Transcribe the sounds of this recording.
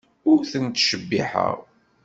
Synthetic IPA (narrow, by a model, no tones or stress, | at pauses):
ʊɾθənt̪ʃəbːḭħə̰ʁ